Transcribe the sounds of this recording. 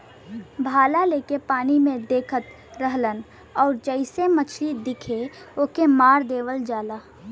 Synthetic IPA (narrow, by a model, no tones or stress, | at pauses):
bʱaːlaleːkepaːnimẽd̪eːkʰət̪ | ɾəɦlən | ɔːɾd͡ʒəɪsemət͡ʃʰlid̪ɪkʰeoːkemaːɾd̪eːʋəld͡ʒaːlaː